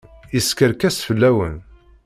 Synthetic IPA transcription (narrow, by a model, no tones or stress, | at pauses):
iskəɾkæsfəlːæwə̰n